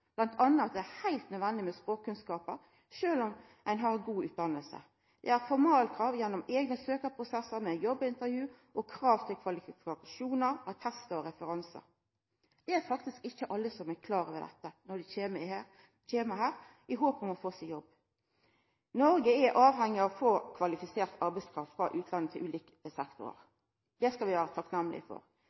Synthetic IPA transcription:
b̥lɑnt̪ʰɑnːəɑt̪̚d̪ɛæhæɪlt̪nœd̪ʋɛnd̪ɪmɛspɾoːkkʰːʉnskɑːpəɾ | ʃøːlɔm | ʔæɪnɦɑɾɡuːʉːt̪̚d̪ɑnːəlsə̰ | d̪̥ɛ̰æɾfɔʁmɑːlkʰɾɑːʋjɛnːɔmeːɡnəsøːkəɾpʰɾʊsɛsəɾmɛjɔbːɪnt̪əʁjʉː | ʔɔkʰʁɑːʋt̪ʰɪlkʰʋɑlɪfɪɪɑkɑʃuːnəɾɑt̪ʰɛst̪əɔɾɛfəɾɑnsə̰ɾ | d̪̥ɛæɾfɑk̚t̪ɪskɪçːəʔɑlːəsɔmækʰlɑːʁəʋɛd̪ɛ̰t̪ːənɔd̪ɪem | t͡ʃeːməhæːɾ | ɪɦoːpɔmɔfoːsɪjɔbː | nɔɾɡəɛʔɑːʋhɛŋːɪɑʋɔfoːkʰʋɑlɪfɪseːʁt̪ɑɾbɛɪskʰɾɑft̪fɾɑʔʉːt̪ʰlɑnət̪ʰɪlʔʉːliːkəsɛkt̪ʊ̰ɾə̰ʁ | d̪̥ɛskɑlʋɪʋæːɾət̪ʰɑknæmlɪ̰fɔ̰ɾ

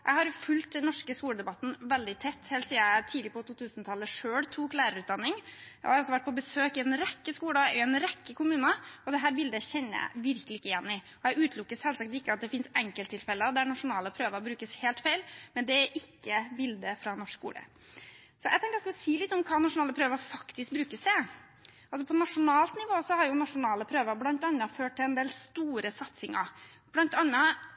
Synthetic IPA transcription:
ʔæhɑɾfʉlt̪̚d̪ɛnːɔʂkəskuːləd̪ɛbɑt̪ːn̩ʋɛld̪ɪt̪ʰɛt̪ːhɛːlt̪siːæt̪ʰiːd̪lɪpɔt̪ʰuːt̪ʰʉːsnt̪ʰɑlːəʂøːɽt̪ʰuːklæːɾəɾʉːt̪̚d̪ɑnːɪŋjæ̰ɪhɑɾɑlsɔʋæʈ̚pɔbəsøːkɪɛnɾɛkːəskuːləɛʊɛnɾɛkːəkʊmʉːnəɔd̪ɛɦæːɾbɪld̪əçɛnːəjæ̰ɪʋɪɾkəlɪɪkːəɪjɛnːɪ | ɔjæɡʉːt̪ʰlʊkːəshɛlsɑk̚t̪ɪkːəɑt̪̚d̪ɛfɪnsɛŋkəlt̪ʰːɪlfɛlːəd̪æɳɑʂʊnɑːləpʰɾøːʋəɾɔbɾʉːkəsheːlt̪fæɪlmɛnd̪ɛæɾʔɪkːəbɪld̪əfɾɑnɔʂkkṵːlə̰ | sɔjɛɡt̪ɛŋkəɾɔsk̪ʋsiːlɪt̪ːɔmkʰɑːnɑʂʊnɑːləpʰɾøːʋəɾfɑkt̪ɪsk̚bɾʉːkəsd̪ɛ | ʔɑls̬ɔpʰɔnɑʂʊnɑːlt̪nɪʋoːsɔhɑɾjʊnɑʂʊnɑːləpʰɾøːʋəɾblɑnt̪ɑnːəføːʈ̚t̪ɪlɛnd̪eːlst̪uːɾəsɑt̪sɪŋɑ̰ɾ | b̥lɑnt̪ɑnːə

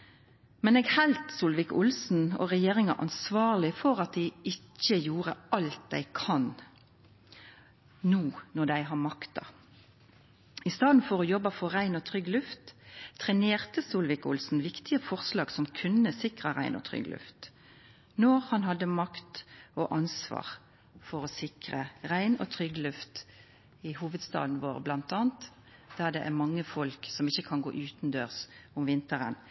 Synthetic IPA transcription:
mɛneːɡhælt̪suːlʋɪkʊlsn̩ɔ̰ʁɛjeːʁɪŋɑ̰ʔɑ̰nsʋɑːʁlɪfɔʁɑt̪̚d̪æɪɪcːəjuːʁəʔɑlt̪̚d̪æ̰ɪkʰɑn | nuːnɔd̪æɪɦɑmɑkt̪ɑ̰ | ɪst̪ɑːd̪n̩fɔʁoːjɔbɑfɔʁæɪnɔt̪ʰʁʏɡlʉft̪ʰʁɛneːʁt̪əsuːlʋɪkʊlsn̩ʋɪkt̪ɪəfɔʁslɑːɡsɔmkʰʉnːəsɪkʁəʁæ̰ɪnɔ̰t̪ʰʁʏ̰ɡlʉ̰ft̪ | nɔːʁhɑnhɑd̪ːəmɑkt̪oːʔɑnsʋɑ̰ːʁ | fɔʁɔsɪkʁəʁæɪnɔ̰ːt̪ʰʁʏɡlʉft̪ | ɪhuːʋəd̪st̪ɑ̰ːd̪n̩ʋoːʁblɑnt̪ɑːnt̪ | d̪̥æʁd̪ɛʔæʁmɑŋːəfɔlksɔmɪçːəkʰɑnɡo̰ːʔʉːt̪nd̪øːʁsʊmʋɪnt̪əʁə̰n

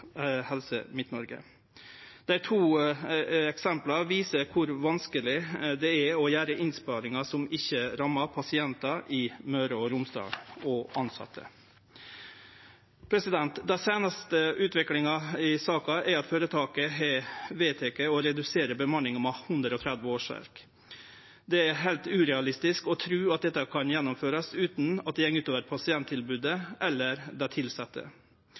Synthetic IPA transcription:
hɛlsə̰mɪt̪nɔɾɡə̰ | d̪̥æɪt̪ʰuː | ɛksɛmplɑʋiːsəɾkʰʊɾʋɑnskəlɪd̪ɛæɔjæːɾəʔɪnspɑːɾɪŋɑsɔmɪçːəɾɑmːɑpʰɑsɪɛnt̪ɑʔɪmøːɾəɔɾʊmsd̪ɑ̰ːɔʔɑnsɑ̰t̪ʰːə̰ | pʰɾɛsɪd̪ɛnt̪d̪æɪseːnɑst̪əʔʉːt̪ʋɪklɪŋɑɪsɑːkɑʔæɾɑt̪føːɾət̪ʰɑːkəɦɛʋeːt̪ʰeːkəɔɾɛd̪ʉseːɾəbəmɑnɪŋɔmɑhʉnd̪ɾəɔt̪ʰɾæd̪ʋəoːʂʋæ̰ɾk | d̪ɛæɾɦæɪlt̪ʉːɾɛɑlɪst̪ɪskɔt̪ʰɾʉːɑt̪̚d̪ɛt̪ːɑkʰɑnjɛnːʊmføːɾɑsʉːt̪nɑt̪̚d̪ɛjɛŋːʉːt̪oːʋəɾpʰɑsɪɛnt̪ʰːɪlbʉːd̪əʔɛlːəɾd̪ɛt̪ʰɪlsɑt̪ːə̰

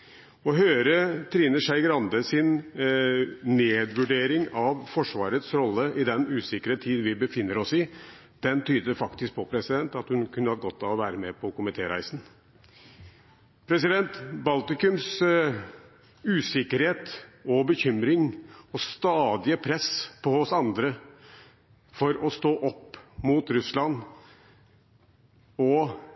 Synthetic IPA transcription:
ɔɦøːɾət̪ʰɾiːnəʂæɪɡɾɑnd̪əsɪn | neːd̪ʋʉɖeːɾɪŋɑʋfɔʂʋɑːɾət̪sɾɔlːəʔɪd̪ɛnʉːsɪkəɾət̪ʰiːd̪ʋɪbəfɪnːəɾɔsɪ | d̪̥ɛnt̪ʰyːd̪əəfɑkt̪ɪsk̚pʰɔpʰɾɛsɪd̪ɛnt̪ɑt̪hʉnkʰʉnːəhɑd̪əɡɔt̪ːɑʋɔʋæːɾəmɛpʰɔkʊmɪt̪ʰeːɾæ̰ɪsn̩ | pʰɾɛsɪd̪ɛnt̪bɑlt̪ɪkʉms | ʉːsɪkəɾheːt̪ɔbəçʏmɾɪŋɔst̪ɑːd̪ɪəpʰɾɛspʰɔhʊsɑnd̪ɾə | fɔɾɔst̪oːʔɔpːmuːt̪ɾʉslɑn | ɔ

